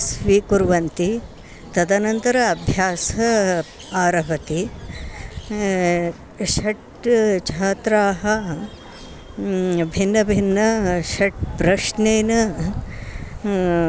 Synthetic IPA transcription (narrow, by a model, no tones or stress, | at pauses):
sʋikuɾʋɐnt̪i | t̪ɐd̪ɐnɐnt̪ɐɾɐːbʱjaːsɐ | aːɾɐɦɐt̪i | ʃɐʈ | t͡ʃʰaːt̪ɾaːɦɐ | bʱinːɐbʱinːɐʃɐʈ̚pɾɐʂneːnɐ